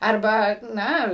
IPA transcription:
ɐrˈbɐ ˈnɐ

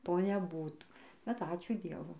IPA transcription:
ˈtoː nʲɛˈbuːtuː bʲɛt ˈɑːt͡ʃʲuː ˈdʲiɛʋʊ

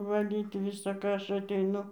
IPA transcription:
ʋɐˈlʲiːt ˌʋʲɪsɐ ˈkɑː ˈɐʃ ɐtʲɛɪˈnʊ

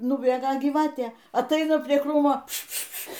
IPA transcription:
nʊˈbʲeːɡɐ ɡʲiːˈʋɑːtʲeː ɐtˈɐɪnɐ pʲrʲiɛ ˈkruːmoː pʃpʃpʃpʃ

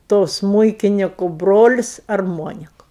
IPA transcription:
toː ˈsmuːɪkʲɪnʲɪkʊ ˈbroːlʲɪs ɐrˈmoːnʲɪkʊ

